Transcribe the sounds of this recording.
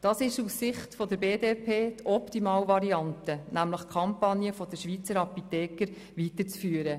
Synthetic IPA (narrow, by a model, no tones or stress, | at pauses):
d̥ɑsɪʃusɪχtfɔd̪əɾbeːdɛpʰeːtʰɔptimɑːwʋɑɾiɑntənæmləχkʰɑmpɑnjəfɔd̥əʃʋit͡səɾɑpitɛːkəɾ | ʋitəɾt͡sfyːəɾə